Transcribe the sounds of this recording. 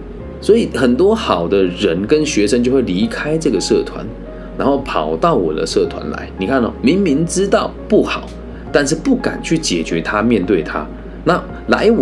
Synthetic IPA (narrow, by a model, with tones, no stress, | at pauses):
swɔ˧˥i˨˩xə˨˩nt̪wɔ˥xɑ˨˩ʊd̪ə˦ɻə˧˥nkə˦nɕɥɛ˧˥ʂə˥˦ŋt͡ɕjo˥˧ʊxwe˥˩ɪli˧˥kʰa˥ɪʈ͡ʂɤ˥˩ɡə˩sɤ˥˩t̪ʰwa̰˧˦n | ɻa˧˥nxo˥˩ʊpʰɑ˨˩ʊt̪ɑ˥˩ʊwɔ̰˨˩d̪ə̰˦sɤ˥˩t̪ʰwa̰˧˦nla̰˧˦ɪni˨˩kʰa˥˩nɔ̰˨˩mi˨˥ŋmi˧˥ŋʈ͡ʂɻ̩˥t̪ɑ˥˩ʊpu˥˩xɑ˨˩˦ʊ | t̪a˥˧nʂɻ̩˥˧pu˥˩ka̰˨˩nt͡ɕʰy˥˩t͡ɕjɛ̰˨˩t͡ɕɥɛ˧˦˥t̪ʰa˦˥mjɛ˥˧nt̪we˥˩ɪt̪ʰa̰˦ | na˥˩ | la̰˧˥ɪ